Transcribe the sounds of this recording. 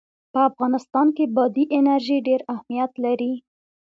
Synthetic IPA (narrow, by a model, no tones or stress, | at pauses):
pəafɣɑnɪst̪ɑnkebɑd̪iʔɪnaɾʒiɖeɾahmijat̪laɾi